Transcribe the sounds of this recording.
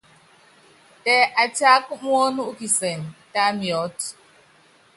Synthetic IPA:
tɛ˨ʔa˨ta˦k̚ŋwɔ˦nu˦ki˨sɛ˨nta˦mjɔ˨˦t

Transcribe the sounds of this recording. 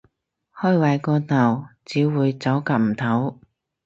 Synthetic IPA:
hœː˥jwɐ˨˩jkɔː˧t̪ɐ˨˩wt͡siː˨˧˥wuː˨˧jt͡sɐ˨˥wka˧p̚m̩˨˩t̪ʰɐ˨˥w

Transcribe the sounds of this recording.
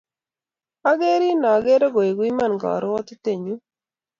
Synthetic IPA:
a˦ɡe˦ɾi˦nɔ˨ɡe˦ɾo˦ɡo˨e˨ɡwi˦ma˦nɡɔ̰˨ɾɔ˦ɔ˦t̪t̪e˨ɲu˦

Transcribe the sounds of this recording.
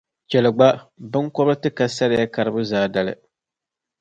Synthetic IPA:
t͡ʃɛ˨lɨ˨ɡ͡ba˦bɨ˦ŋkɔ˦bɨ˦tɨ˦ka˨sa˦ɾɪ˦ja˦ka˨ɾɨ˦bʊ˦zaː˦˨da˨lɨ̰˨

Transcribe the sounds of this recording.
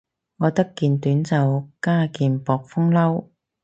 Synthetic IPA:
ŋɔː˨˧t̪ɐ˥kːiː˨˧nt̪yː˨˥nt͡sɐ˨wkaː˥kiː˨npɔː˨k̚fʊ˥ŋlɐ˥w

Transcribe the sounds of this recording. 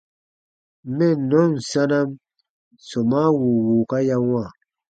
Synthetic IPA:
mɛ˦˨nɔ˨˦n̩˨sa˦na˦m | sɔ˨ma˦wu˨wu˨ka˦ja˦wa˦˨

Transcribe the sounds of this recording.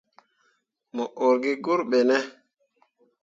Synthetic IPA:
mo˨ʔo˨ɾɡi˦ɡu˦ɾɓe˨nɛ˦

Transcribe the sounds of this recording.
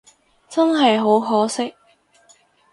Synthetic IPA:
t͡sɐ˥nɦɐ˨jɦo˨˧˥wɦɔː˨˥sɪ˥k̚

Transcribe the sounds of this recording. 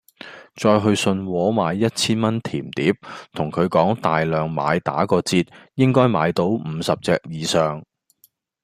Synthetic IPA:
t͡sɔː˧jɦɵ˧ɥsɵ˧nwɔː˨˥maː˨˧jːɐ˥t̚t͡sʰiː˥nmɐ˥nt̪ʰiː˨˩mt̪iː˨˥p̚t̪ʰʊ˨˩ŋkʰɵ˨˧ɥkɔː˨˥ŋt̪aː˨jlœː˨ŋma̰ː˨˧jt̪a̰ː˨˥kɔː˧t͡siː˧t̚jɪ˥ŋkɔː˥jma̰ː˨˧jt̪o˧˥wm̩˨˧sɐ˨p̚t͡sɛ̰ː˧k̚jiː˨˧sœː˨ŋ

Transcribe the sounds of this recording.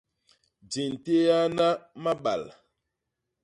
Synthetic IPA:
d͡ʒe˨n˨te˦ja˦na˦ma˦ɓa̰˨l

